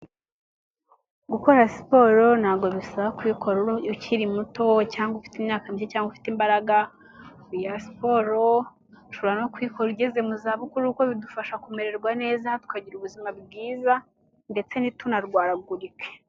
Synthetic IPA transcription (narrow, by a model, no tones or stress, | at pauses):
ɡuko̞ɾasi̥po̞ɾo̞n̥haːɡoβisaβakwiːkʰo̞ɾuciɾimuto̞caːŋɡofi̥timɲaːkamiʃecaːŋɡufi̥timbaɾaɡa | ujasi̥po̞ɾo | ʃoββanokwiːkoɾuɟeze̞muzaːβukuɾukoβidufaʃakume̞ɾe̞ɾɡwane̞ːzatu̥kaɟiɾuβuzimabɡiːza | nde̞t͡se̞nitunaɾɡwaːɾaɡuɾike̥